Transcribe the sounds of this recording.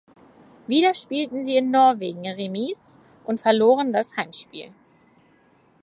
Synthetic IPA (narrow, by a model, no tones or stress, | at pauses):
viːɾɐʃpiːltn̩ziːɪnːɔɐveːɡŋ̩ʁemiːs | ʔʊntfɛɐloːʁəndashaɪmʃpḭːl